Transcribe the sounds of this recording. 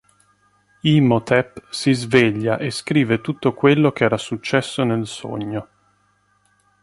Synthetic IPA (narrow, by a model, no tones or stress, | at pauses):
imot̪ʰɛpsizveʎːaʔeskɾiːvet̪ut̪ːokwelːokeɛːɾasut͡ʃːɛsːonelso̰ɲːo